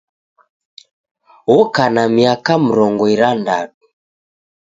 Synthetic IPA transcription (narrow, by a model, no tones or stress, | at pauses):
wɔkanamiakam̩ɾɔŋɡɔiɾandatu̥